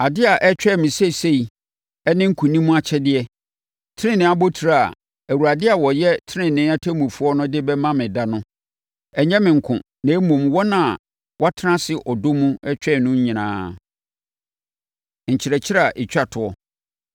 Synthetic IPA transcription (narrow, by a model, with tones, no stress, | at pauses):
a˨dɪ˦a˨ʔɛ˦t͡ɕᶣɛ˦˨mɪ̃˨sɛ˦˨se˦i˨ | ɛ˦nɪ̃˦ŋ̩˦kʰũ˨nĩ˦mũ˦a˨t͡ɕʰɛ˦dɪ˦ɛ˦ | tʰɪ˦nɪ̃˦nɪ̃˦a˦bo˦tʰu˨ɾa˨a̰˨ | æ˨wu˨ɾa˨dɪ˦a˨wɔ˨jɛ˦tʰɪ˦nɪ̃˦˨nɪ̃˦a˦tʰæ˦mũ˨fu˦ɔ˦nʊ̃˦dɪ˦bɛ˦mã˦mɪ̃˨da˦nʊ̃˦ | ɛ˨ɲɛ̃˦mɪ̃˨ŋ̩˨kʰʊ̰̃˨ | nɛ̃˨˦mũ˨mwɔ˦nã˦˨ | wʔa˦tʰã˦sɪ˨ʔɔ˨do˦mũ˦ɛ˦t͡ɕᶣɛ˦˨nʊ̃˦ɲ̩˦ɲĩ˨nã̰ː˨˦ | ɲ̩˨t͡ɕʰɪ˨ɾɛ˨t͡ɕʰɪ˦ɾa˨ʔɪ˨t͡ɕᶣa˨tʰʊ˨ɔ˨